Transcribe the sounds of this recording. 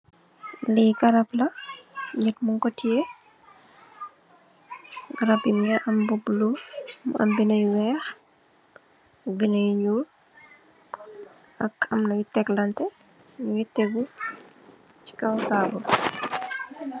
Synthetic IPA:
liːkɐɾɐplɐɲɛtmuŋkɔtːiɛ | ɡɐɾɐbimɲaʔɐmbublumɐ̰mbinɐjuwɛːx | ɐk̚binɐjuɲul | ɐkɐmnɐjutɛklɐntɛ | ɲujɛtːɛɡu | t͡ʃi̥kɐwkaːɡɔ

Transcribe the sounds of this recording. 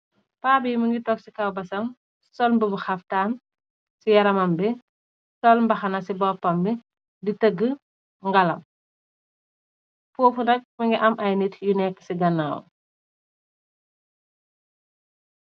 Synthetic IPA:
paːbiːmɐŋɡitɔk̚sikɐwbɐsɐm | sɔlmbəbuxɐftaːn | sijɐɾɐmɐmbi | sɔlmbɐxɐnɐsibɔpːɐmbi | ditəɡːə | ŋɡɐlɐm | poːfunɐk̚mɐŋɡiʔɐmʔɐjnitjunɛkːə̥siɡɐnːaw̰

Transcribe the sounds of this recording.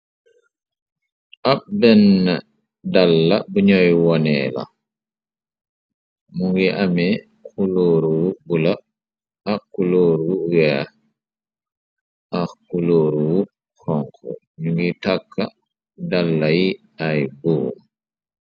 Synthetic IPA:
ʔaɓbɛnːa | dalːabəɲɔjwɔnɛ̰la̰ | muŋɡiʔamɛ | kuloːɾuwubula | akːuloːɾuwa | ʔakuloːɾuwu | hɔŋkʰɔ̰ | ɲuŋɡitakʰːa | dalːaji | ajbɔːm

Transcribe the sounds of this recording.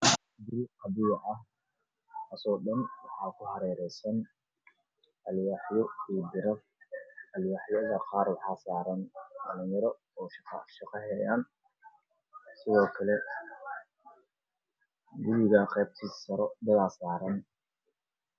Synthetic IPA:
b̪ɪlqɑbiːʕɑh | ɐsɔːɗɐnwɑħɑːkʰʊhɐɾɛːɾɛjsɐn | ʔɐljaːħjɔiːbɪɾɐb | ɐljaːħjɐðɐqɑːrwɑħɑːsaːɾɐndɐlɪnjɐɾɔ | ɔːʃqɑ̰ʃɪqɑɦɛjaːn | sɪðɔːkʰɐlɛ | ɡʊɾɪɣɐqɛːb̚t̪ʰiːsɐɾɔd̪ɐɣaːsaːɾɐn

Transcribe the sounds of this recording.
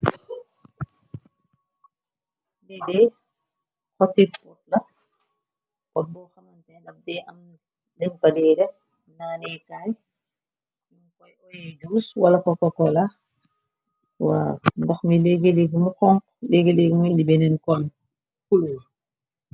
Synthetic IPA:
ɐf̚dɛdɛː | kɔtit̚pɔt̚lɐ | kɔt̚bɔxɐmɐntɛdɐf̚dɛʔɐm | dɛnfɐdɛːɾɛf | naːnɛːkaj | kɔjɔjɛd͡ʒuːswɐlɐkɔkɔkɔla | wa̰ndɔxmilɛɡeleɡimukɔŋk | leɡeleɡmuɛndibɛnɛnkɔl | kulul

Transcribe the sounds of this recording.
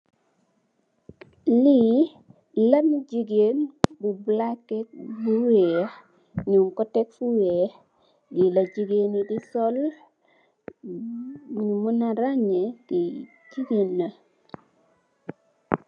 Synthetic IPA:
li | lamid͡ʒiɡenbublakːɛk̚buwe | ɲuŋkɔtɛk̚fuwe | ɡilad͡ʒiɡenidisɔl | ɲmunaɾaɲeki | d͡ʒiɡenːa

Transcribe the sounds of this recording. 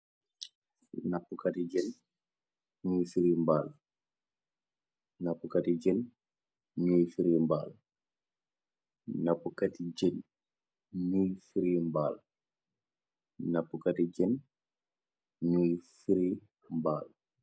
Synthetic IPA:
napːukatid͡ʒɛn | ɲujfiɾimbal | napːukatiɟɛn | ɲuːjfiɾimbaːl | napːukatiɟen | ɲujfiɾimba̰ːl | napːukatiɟɛn | ɲujfiɾi | mbaːl

